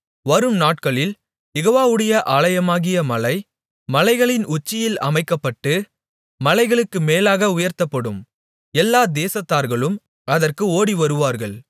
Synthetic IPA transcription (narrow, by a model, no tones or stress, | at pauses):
ʋɐɾɯmnaːʈ̚kɐɭɪl | jɛɣoːʋaːʋɯɽɐjɐʔaːlɐjɐmaːɣɪjɐmɐlɐɪ | mɐlɐɪɣɐɭɪnʊt͡ʃːɪjɪlɐmɐɪkːɐpːɐʈːɯ | mɐlɐɪɣɐɭɯkːɯmeːlaːɣɐʊjɐɾt̪ɐpːɐɽɯm | ɛlːaːd̪eːsɐt̪ːaːɾɣɐɭɯm | ɐðɐrkɯoːɽiʋɐɾɯʋaːɾɣɐɭ